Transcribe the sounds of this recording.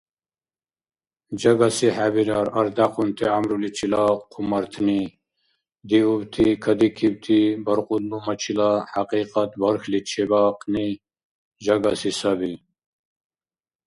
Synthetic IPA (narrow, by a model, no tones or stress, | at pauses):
d͡ʒɐɡasihabiɾaɾɐɾd̪aqunt̪ʰiamɾulit͡ʃʰilaqʰːumɐɾt̪ʰni | d̪iubt̪ʰikʰɐd̪ikʰib̚t̪ʰibɐɾqud̪̚lumɐt͡ʃʰilahaqiːqɐt̪bɐɾxlit͡ʃʰebaːqni | d͡ʒɐɡasisɐbi